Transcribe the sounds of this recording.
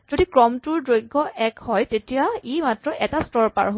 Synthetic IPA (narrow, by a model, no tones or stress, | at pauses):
z̥odikɹɔmtuɹdojɡʱːɔʔɛkhɔjtetijaimatɹɔʔɛtastɔɹpa̰ɹɦ